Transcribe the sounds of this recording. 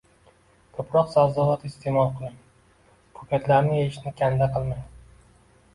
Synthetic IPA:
kʰɵpʰɾɒqsazɒɦɒt̪ɪst̪ʰemɒlˠqʰɨlˠɪm | kʰɵkʲʰat̪laɾnɪeʃnɪkʲʰand̪aqʰɨlˠmaj̪

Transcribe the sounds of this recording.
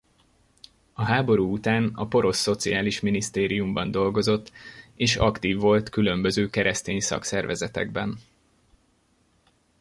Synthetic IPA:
ɒɦaːbo̞ɾuːut̪aːnɒpo̞ɾo̞sːo̞t̪sijaːliʃminist̪eːɾijumbɒnd̪o̞lɡo̞zo̞t̪ːeːʃɒ̰kt̪iːvːo̞lt̪kylø̞mbø̞zøːkɛɾʔɛst̪eːɲsɒ̰ksɛrvɛzɛt̪ɛ̰ɡbɛn

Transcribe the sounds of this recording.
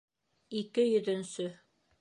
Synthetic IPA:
ikɘjɵ̆ðɵ̆nsɵ

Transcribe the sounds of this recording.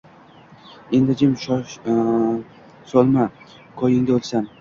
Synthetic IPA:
end̪ɪd͡ʒɪmʃ | sɒlˠma | kʰɒjɪŋd̪aolsan

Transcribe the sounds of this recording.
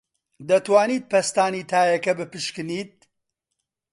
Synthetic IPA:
d̪ɐt̪waːniːt̪̚pʰɐst̪aːniːt̪ʰaːjɐkɐbɨpɨʃkɨniːt̪̚

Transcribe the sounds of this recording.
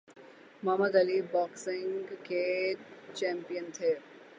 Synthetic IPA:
mɐːməd̪ɐlibɔːksɪ̃ŋɡket͡ʃɛ̃ːmpijənt̪ʰeː

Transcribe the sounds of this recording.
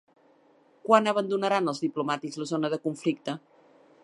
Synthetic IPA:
kwanəβ̞ənd̪unəɾanəlˠzðiplumat̪ikzləzonəðəkuɱflik̚t̪ə

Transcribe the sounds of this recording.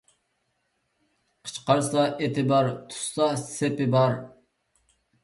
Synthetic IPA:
qʰə̥t͡ʃqɑɾsɑʔet̪ʰɪbɑɾt̪ʰʊ̥sːɑsepɪbɑɾ

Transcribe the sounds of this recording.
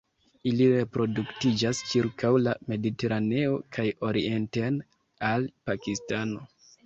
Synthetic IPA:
iliɾe̞pɾo̞duktid͡ʒast͡ʃiɾkʰawlame̞dite̞ɾane̞o̞kʰajo̞ɾie̞nten | alpakistano̞

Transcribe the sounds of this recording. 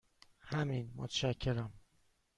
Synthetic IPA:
hæminmot̪ʰæʃæcʰːe̞ɾæm

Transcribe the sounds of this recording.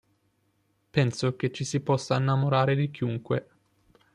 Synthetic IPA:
pɛnsoket͡ʃːisipɔsːainːamoɾaːɾed̪ik̟iuŋkwe

